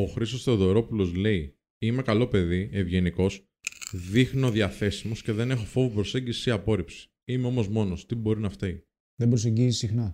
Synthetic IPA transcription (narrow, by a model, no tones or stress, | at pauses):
o̞xɾist̪ost̪eoðo̞ɾo̞pulo̞zle̞i | ime̞kɐlo̞pe̞ðie̞vʝe̞niko̞s | ðixnio̞ðjɐθe̞simo̞sce̞ðe̞ne̞xo̞fo̞vopɾo̞se̞ɲɟisi̥siɐpo̞ɾipsi̥ | imeo̞mo̞zmo̞no̞st̪ibo̞ɾinɐft̪e | ðembɾoseɲɟizisixnɐ